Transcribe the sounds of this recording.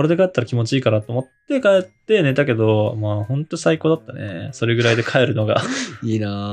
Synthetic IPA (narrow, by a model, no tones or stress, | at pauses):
oɾed̪e̞kaet̪ːaɾakʲimo̞t͡ɕiiːkaɾat̪o̞ːmot̪ːe̞kaet̪ːe̞ne̞t̪ake̞d̪o̞maːhõ̞nt̪o̞ɲisaiko̞ːd̪at̪ːanḛso̞ɾe̞ɡɯ̟ɾaid̪e̞kʰae̞ɾɯ̟no̞ɡa̰iːnaː